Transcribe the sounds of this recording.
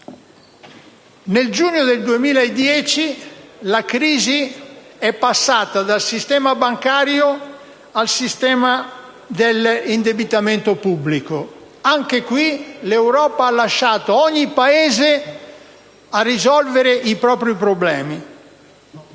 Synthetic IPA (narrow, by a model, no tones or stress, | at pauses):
neld͡ʒuːnjod̪eld̪uemiːlaed̪jɛːt͡ʃilakɾiːziɛpːasːaːt̪ad̪alsist̪ɛːmabaŋkaːɾjo | alsist̪ɛːma | d̪elind̪ebit̪ament̪opubːliko | aŋkekwilewɾɔːpaalːaʃːaːt̪oɔɲːipaeːze | arːizɔlveɾeʔipɾɔːpɾipɾoblɛːmi